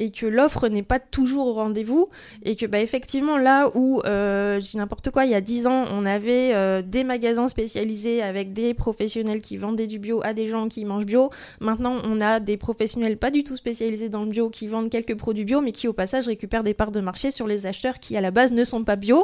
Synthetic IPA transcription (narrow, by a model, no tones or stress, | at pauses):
ekʰəlɔfχənɛpat̪uʒuʁoːɑ̃d̪evu | ekəbaefɛkt̪ivmɑ̃lauøʒəd̪inɛ̃pɔʁt̪əkwailjad̪izɑ̃ɔ̃navɛød̪emaɡʲazɛ̃spesjalizeavɛk̚d̪epχɔfɛsjɔnɛlkʲʰivɑ̃d̪ɛd̪ybjoʔad̪eʒɑ̃kʲimɑ̃ʒbjo | mɛ̃t̪nɑ̃ʔɔ̃nad̪epχɔfɛsjɔnɛlpad̪yt̪uspesjalized̪ɑ̃ləbjokʲʰivɑ̃d̪kʲɛlkəpχɔd̪ɥibjomɛkʲʰiopasaʒʁekʲypɛʁd̪epaʁd̪əmaʁʃesyʁlezaʃt̪œʁkʲʰialabaznəsɔ̃pabjo